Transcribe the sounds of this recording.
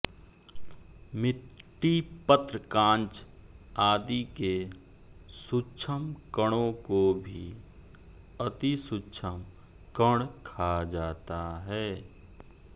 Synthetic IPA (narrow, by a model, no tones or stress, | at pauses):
mɪʈːipət̪ɾəkãːnt͡ʃ | aːd̪ike | sut͡ʃʰəmkəɽ̃õkobʱi | ɐt̪isut͡ʃʰəm | kəɽ̃kʰad͡ʒaːt̪aɦɛː